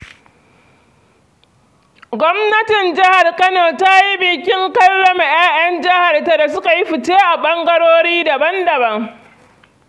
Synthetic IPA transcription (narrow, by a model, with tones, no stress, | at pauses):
ɡʷɔ˦mnɐ˦tɪ˨nd͡ʒɪ˦ha˨rkɐ˦no˨ta˦ji˦bɪ˨kʲɪ˦ŋkɐ˦lːɐ˨m˨j̰aː˦ʔjɐ˦nd͡ʒɪ˦ha˨rta˨da˨s̬ʊ˦ka˨ji˦ɸɪ˨t͡ʃeː˦ʔa˨ɓɐ˦ŋɡɐ˦ɽoː˦ɽiː˦dɐ˨bɐ˦ndɐ˨bɐ˦ŋ